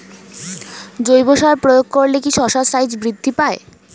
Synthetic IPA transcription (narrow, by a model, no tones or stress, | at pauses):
d͡ʑojboʃaɾpɾojoɡ̚koɾlekiʃɔʃasajd͡ʑbɾid̪ʱːipae